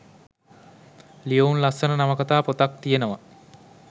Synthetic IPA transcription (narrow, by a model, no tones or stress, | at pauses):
lijounlasənənaməkat̪aːpot̪ak̚t̪ijenəʋa